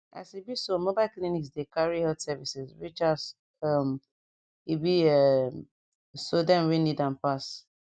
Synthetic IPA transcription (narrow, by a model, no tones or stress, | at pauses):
a̰sibisomobaɪlkliniksdekaɹihɛltsɛvisɛsɹit͡ʃas | am | ibiɛ | sodɛ̃nɹĩnidãnpas